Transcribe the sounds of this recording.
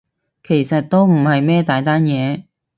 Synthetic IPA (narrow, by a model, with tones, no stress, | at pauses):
kʰe˨˩jsɐ˨t̚t̪o˥wm̩˨˩hɐ˨jmɛː˥t̪aː˨˥jt̪aː˥njɛː˨˧